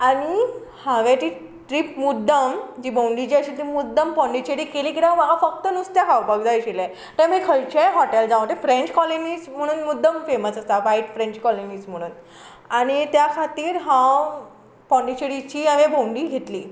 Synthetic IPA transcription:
aɽ̃ihãʋet̪i | ʈɾipmud̪ʱːəmd͡ʑiːbʱowɳɖit͡ɕiəɕit̪ipmud̪ʱːəmpɔ̃ɳɖit͡ɕeɾikeliːkit̪aməɡafək̚t̪ənust̪jakʰawpəɡd͡zajɕelẽ | t̪ẽmikʰəɭt͡ɕeɦɔʈeld͡zãʋ̃t̪efɾẽɲt͡ɕkɔlonism̤əɽ̃uːnmud̪ʱːəmfeməsast̪aʋaiʈfɾẽɲt͡ɕkɔloniːsm̤əɽ̃uːn | aɽ̃it̪jakʰat̪iːɾɦãw | pɔ̃ɳɖit͡ɕeɾit͡ɕiːaʋẽbowɳɖiːɡʱet̪liː

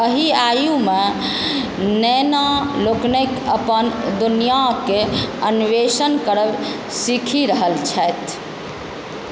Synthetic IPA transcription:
əɦiajũme | nɛnaloknekəpənd̪unijakeəniʋesənkəɾəb | sikʰiɾəɦəlt͡ʃʰɛjt̪ʰ

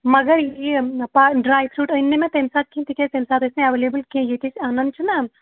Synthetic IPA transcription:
mɐɡəɾjepaɖɾaːjpʰɾuːʈənːemẽt̪emsaːt̪̚kĩt̪iket̪emsaːt̪ɪsnẽɐʋeːleːbəlkiẽjekɪt͡ʃʰaːnɐnd̪t͡ʃʰuna

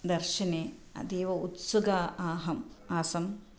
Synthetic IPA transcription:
d̪ɐɾʃɐneːɐ̰d̪eːʋɐut̪sɐɡaːaːɦɐmaːsɐm

